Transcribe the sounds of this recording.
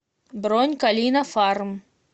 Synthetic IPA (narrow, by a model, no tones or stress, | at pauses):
bɾonʲkɐlʲinɐfarm